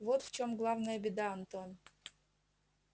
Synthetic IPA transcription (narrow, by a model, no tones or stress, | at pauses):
vot̪ft͡ɕomɡlˠavnəjəbʲɪd̪aɐnt̪on